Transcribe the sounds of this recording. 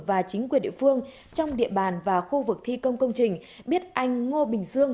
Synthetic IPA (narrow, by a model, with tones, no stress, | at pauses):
vaː˨˩t͡ɕï˨˦ŋ̟kwi˨˩ənɗḭ˧˨fɨ˧əŋ | t͡ɕɔ˧wŋ͡mɗḭ˧˨əɓaː˨˩nvaː˨˩xu˧vɨ˨˩k̚t̪ʰi˧kə˧wŋ͡mkə˧wŋ͡mt͡ɕï˨˩ŋ̟ | ɓi˦˥ət̚ʔa˧jŋ̟ːo˧ɓï˨˩ŋ̟zɨ˧əŋ